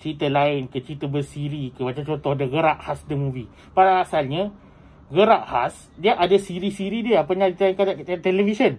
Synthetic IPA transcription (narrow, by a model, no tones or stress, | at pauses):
t͡ʃɾit̪əlaɪnkət͡ʃit̪əbərsiɾikəbat͡ʃat͡ʃot̪ɔhdəɣəɾaʔhasdəmũvi | padaŋasalɲa | ɣəɾaʔhas | diəʔadasiɾisiɾidiəapaɲãit̪ankaat̪elefisən